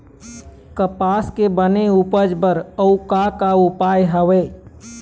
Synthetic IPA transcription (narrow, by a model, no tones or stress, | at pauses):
kəpaskebəneupəd͡ʒbəɾəukakaupajɦəʋe